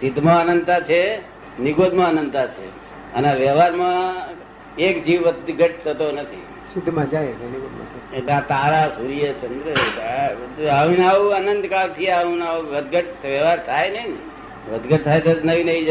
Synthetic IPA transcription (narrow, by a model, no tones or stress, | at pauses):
sɪd̪mãənənd̪t̪at͡ʃʰe | niɡod̪mãənənd̪t̪at͡ʃʰḛ | ənaʋjəʋaɾmã | ekd͡ʒiʋʋəd̪ɡəʈ̚t̪ʰət̪onət̪ʰḭ | sɪd̪mãd͡ʒajt̪oniɡod̪mã̰t̪ʰeʈlãt̪aɾasuɾijət͡ʃənd̪ɾəek | aʋĩnaʋũənənd̪kalt̪ʰiaũnaɡəd̪ɡəʈ̪ʋəʋaɾt̪ʰajnəin | ʋəd̪ɡəʈ̚t̪ʰajt̪onəʋinəʋĩd͡ʒ